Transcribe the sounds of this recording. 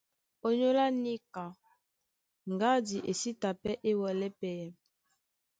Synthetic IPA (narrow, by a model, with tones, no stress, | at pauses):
o˨ɲo˦la˦ni˦ka˨ | ŋɡa˦di˨ʔe˨si˦ta˨pɛ˦ʔe˦wɔ˨lɛ˦pɛ˨jɛ˨